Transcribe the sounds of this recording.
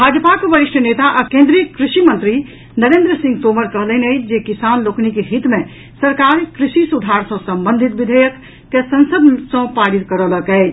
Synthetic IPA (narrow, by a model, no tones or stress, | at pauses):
bʱad͡ʒəpakbəɾiʃʈənet̪aʔakẽnd̪ɾijəkɾisimə̃nt̪ɾi | nəɾẽnd̪ɾəsĩŋɡ̚t̪oməɾkəɦləned͡ʒekisanloknikeɦit̪me | səɾkaɾkɾisisud̪ʱaɾsə̃səmbənd̪ʱit̪̚ʋid̪ʱəjək | t̪esənsəd̪sə̃paɽit̪̚kəɾələkɛɪ